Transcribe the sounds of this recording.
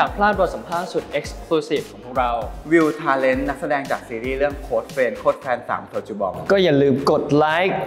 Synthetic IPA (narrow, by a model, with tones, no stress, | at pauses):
aː˨˩pʰlaː˥˩t̪ɾu˨˩t̪̚sa˩˦pʰaː˥˩t̪̚su˨˩t̪̚ʔe˦˥k̚skʰluː˧siː˨˩f̚kʰɔː˦pʰuː˥˩k̚ɾa˧wwi˧wt̪ʰaː˧le˦˥nːa˦˥k̚sa˧dɛː˧ŋt͡ɕaː˨˩k̚siː˧ɾiː˥˩ɾɯ˥˩əŋkʰoː˦˥t̪̚feː˧nkʰoː˦˥t̪̚fʰɛː˧nsa̰ː˩˦mt̪ʰo˧˩t̚t͡ɕu˨˧˩bɔ˨˩k̚kɔː˥˩ja˨˩lɯː˧mko˨˩t̪̚laː˦˥jk̚